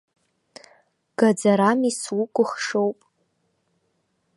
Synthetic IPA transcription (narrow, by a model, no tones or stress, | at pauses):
ɡ̥ad͡zaɾamiswukʷʼʊχʂowpʼ